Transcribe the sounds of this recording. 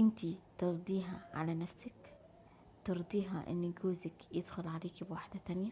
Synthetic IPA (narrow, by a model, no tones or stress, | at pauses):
ʔɪnt̪it̪ɑɾˤd̪ˤiːɦaʕa̰lanafsak | t̪ɑɾˤd̪ˤiːɦaʔɪ̰nːiɡuːzakjɪd̪xʊlʕaleːkibwaħd̪at̪anja